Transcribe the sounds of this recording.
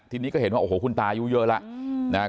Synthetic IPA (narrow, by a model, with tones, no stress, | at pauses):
t̪ʰi˧ni˨˧˦kɔː˨˧˦hnhwa˧˨˩ho˨˦ku˧˩nt̪aː˨˧ju˧zəː˧la̰ː˧˨ʔna˨˧˦